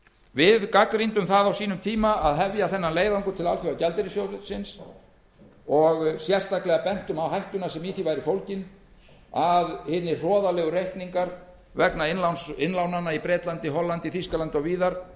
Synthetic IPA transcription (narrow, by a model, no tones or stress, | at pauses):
vɪðkakɾint̪ʏmθaðawsiːnʏmt̪ʰiːmaaðɦɛvjaθɛnːanleːjðaŋkʏt̪ʰɪlalfjowacɛlt̪ɪɾɪsjowɾʏsɪns | ɔɣsjɛr̥t̪aklɛɣapɛn̥t̪ʏmawɦajht̪ʏnasɛmiːθivajɾɪfowlcɪn | aðhɪnːɪr̥ɔːðalɛːɣʏrejhkniŋkaɾ | vɛknaɪnlawnsɪnlawnanːaipɾɛːt̪lant̪ɪɦɔlːant̪ɪθiskalant̪ɪɔɣviːðaɾ̥